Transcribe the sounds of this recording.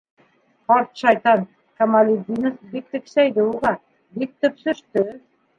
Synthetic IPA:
ɒɾt̪ʃɑjt̪ɑn | kamalʲid̪ʲinɤfbik̚t̪ɘ̆kʃæjd̪ɘulˠʁɑ | bik̚t̪ɵ̆psɵ̆ʃt̪ɵ

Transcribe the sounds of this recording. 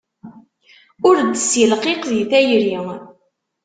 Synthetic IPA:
ʊɾd̪ːəsjəlqeqðiθæjɾi

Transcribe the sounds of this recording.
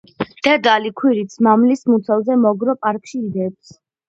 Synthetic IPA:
d̪̥ɛd̪alikʰwiɾit̪sʰmamlismut̪sʰɛlzɛmɔɡɾɔpʼaɾkʼʃiːd̪ɛp̚s

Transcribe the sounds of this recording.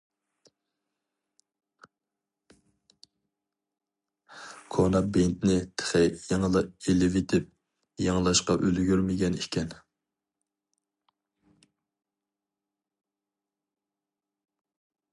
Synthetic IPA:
kʰonɑbent̪nɪt̪ʰe̥χɛjɑŋəlˠəelɪvet̪ʰɪp̚ | jɑŋlˠɑʃqɑʔølɡʲyɾmɪɡʲɛnikʲʰɛn

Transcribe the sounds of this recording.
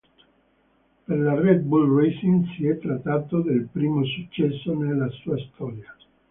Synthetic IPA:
perlarɛd̪̚bulresinsiɛt̪ːɾat̪ːaːt̪od̪elpɾiːmosut͡ʃːɛsːonelːasuːast̪ɔːɾja

